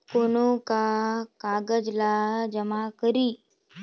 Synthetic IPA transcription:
koñokakaɡəd͡ʒlad͡ʒəmakəɾiː

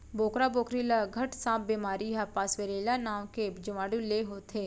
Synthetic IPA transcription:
boːkɾaboːkɾilaɡʱɐʈsãːp̚beːmaːɾiɦapaːsʋeɾeːlanaːwked͡ʒʊʋaːɽuleɦoːt̪ʰeː

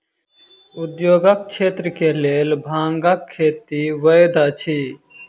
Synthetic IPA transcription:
ʊd̪joːɡək̚t͡ʃʰeːt̪ɾəkeleːlbʱãːŋɡakʰːeːt̪iʋəjd̪aːt͡ʃʰiː

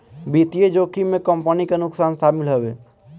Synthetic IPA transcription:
biːt̪ied͡ʒoːkimẽkə̃mpənikenʊksaːnsaːmɪlɦəweː

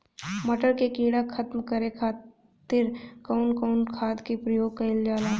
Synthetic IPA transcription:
mɐʈəɾkekiːɽakʰɐt̪mkɐɾekʰaː | t̪ɪɾkɐʊnkəʊnkʰaːd̪kepɾɐjoːɡ̚kɐɪld͡ʒaːlaː

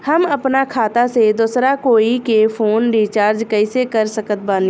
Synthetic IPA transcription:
hɐmɐpnakʰaːt̪ased̪ʊːsɾakoːikefʰoːnɖiːt͡ʃaːɾd͡ʒkɐɪsekɐɾsɐkət̪̚baːl

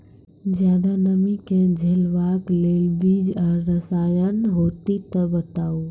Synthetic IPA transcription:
d͡ʒjaːd̪anɐmĩkɛ̃d͡ʒʱelʋaːkleːlbiːd͡ʒəɾɾɐsaːjənɦoːt̪it̪ɐbɐt̪aːuː

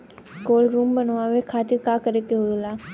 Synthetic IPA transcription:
koːlɾuːmbənʋaʋekʰaːt̪ɪɾkaːkəɾekeɦoilaː

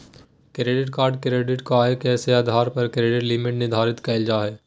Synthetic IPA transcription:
kɾeːɖɪʈkaːɾɖkɾeːɖɪʈkoaːekɛːseaːd̪ʱaːɾpɐɾkɾeːɖɪʈlɪmɪʈnɪd̪ʱaːɾɪt̪kɐɪld͡ʒaːɦɛː

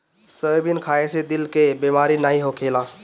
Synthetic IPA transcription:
səbinkʰaːesed̪ɪlkebimaːɾinaːɦiɦokʰela

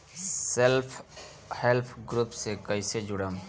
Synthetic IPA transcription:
selpʰ | helpʰɡɾuːpsekəɪsed͡ʒʊɽəm

